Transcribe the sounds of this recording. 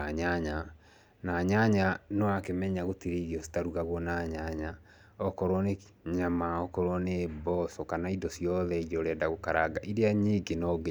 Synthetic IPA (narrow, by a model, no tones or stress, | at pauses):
aɲaɲa | naɲaɲanɔakemɛɲaɣotiɾeiɾiɔsi̥taɾuɣaɣwɔnaɲaɲa | ɔkɔɾwɔne | ɲamaɔkɔɾwɔnebɔsɔkanaidɔsijɔðɛiɾɔɾɛdaɣokaɾaɡaʔiɾeaɲiɡenɔɡe